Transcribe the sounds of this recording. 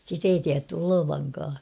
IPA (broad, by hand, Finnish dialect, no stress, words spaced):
sit ei tiætːy oloʋɑŋkɑː